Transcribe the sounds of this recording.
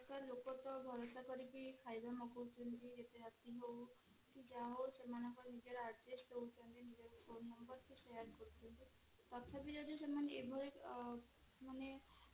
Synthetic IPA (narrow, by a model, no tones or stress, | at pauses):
kaɾlokɔt̪ɔbʱɔɾosakɔɾipikʰajd̪amɔkowt̪ʰunt̪id͡ʒet̪eɦat̪iɦow | kid͡ʒaɦosemanɔ̃ŋkɔɾnid͡ʒɔɾaɾd͡ʒesʈɦeut͡ʃʰɔnt̪inid͡ʒɔɾpʰonːɔmbɔɾkiʃejaɾkɔɾt̪ʰint̪i | t̪ɔt̪ʰapid͡ʒɔd̪isemaneebʱɔɾek | mane